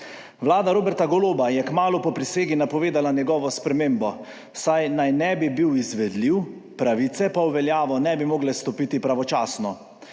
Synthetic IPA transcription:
ʋlaːd̪aɾoːbɛɾt̪aɡɔloːbajɛkmaːlupɔpɾiseːɡinapɔʋeːd̪alanjɛɡɔːʋɔspɾɛmeːmbɔ | sajnajnɛbibiwizʋɛd̪liw | pɾaʋiːt̪sɛpawʋɛljaːʋɔnɛbimoːɡlɛst̪ɔpiːt̪ipɾaʋɔt͡ʃaːsnɔ

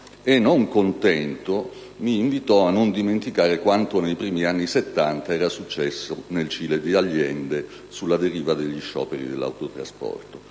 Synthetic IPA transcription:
enːoŋkont̪ɛnt̪o | miːɱvit̪ɔanːond̪iment̪ikaːɾekwant̪onejpɾiːmianːiset̪ːant̪aɛːɾasut͡ʃːɛsːonelt͡ʃiːled̪iaʎːɛnd̪e | sulːad̪eɾiːvad̪eʎːiʃɔ̰ːpeɾḭd̪elːa̰wt̪ot̪ɾa̰spɔ̰rt̪o

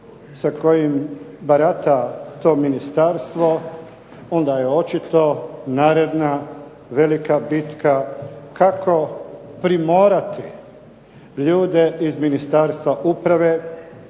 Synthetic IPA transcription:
sako̞jimbaɾat̪at̪o̞ːminist̪aɾst̪ʋo̞ | o̞nd̪ajeo̞t͡ʃit̪o̞naːɾed̪na | ʋe̞likabit̪kakakʰo̞pɾimoːɾat̪i | ʎuːd̪e̞izminist̪aɾst̪ʋaʔupɾaʋe̞ː

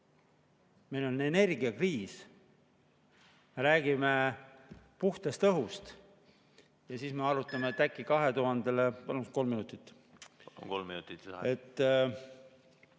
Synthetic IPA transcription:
me̞jlo̞lne̞ne̞rɡiɑkriːs | meɾæːɡime̞ | puht̪est̪ɤɦust̪ | jɑsiːsme̞ɑɾut̪ˑːɑmet̪ːækːˑikɑɦe̞t̪uɦɑnd̪̥e̞lepɑnusko̞lmːinut̪ˑit̪ːˑ | kolminut̪it̪e̞t̪ːˑ

